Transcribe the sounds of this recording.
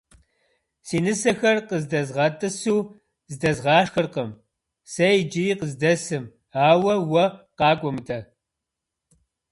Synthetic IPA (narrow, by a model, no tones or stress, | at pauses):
siːnɨsɐxɐrqəzdɐzʁɐtʼɨsuː | zdɐzʁɑːʂxɨrqəm | sɐjd͡ʒɪiːqəzdɐsɨm | aːwɐwɐqɑːkʷʼɔmɨtʰʼɐ